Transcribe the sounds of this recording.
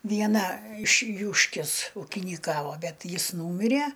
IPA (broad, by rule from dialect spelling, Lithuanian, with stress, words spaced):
ʋʲiɛˈnɐ ɪʃ ˈjuːʃʲkʲɪs uːkʲiːnʲiːˈkɑːʋoː ˈbʲɛt ˈjɪs ˈnuːmʲɪrʲɛ